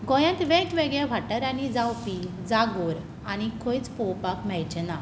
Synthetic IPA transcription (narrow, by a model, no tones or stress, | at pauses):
ɡɔ̃jãnt̪ʋẽʈʋeɡɭjaʋʱaʈəɾanid͡zawpi | d͡zaɡoɾ | añikʰõjt͡spɔwpakm̤ɛjt͡ɕɛna